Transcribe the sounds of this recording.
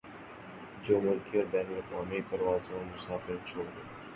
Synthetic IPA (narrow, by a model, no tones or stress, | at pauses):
d͡ʒoːmʊlkiɔːɾbɛːnəlɪkʋaːmipɐɾʋaːzɦõmʊsaːfɪɾt͡ʃʰoːɽd̪eː